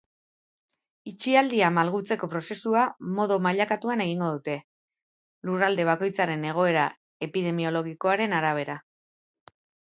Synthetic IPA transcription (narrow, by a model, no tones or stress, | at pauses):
it͡ʃiald̪iamalɣut͡se̞ko̞pɾo̞se̞suamo̞ðomaʎakat̪uane̞ɣ̞iŋɡo̞ðut̪e̞ | lurald̪e̞β̞ako̞jt͡saɾe̞ne̞ɣ̞o̞e̞ɾa | e̞piðe̞mio̞lo̞ɣ̞iko̞aɾe̞naɾaβ̞e̞ɾa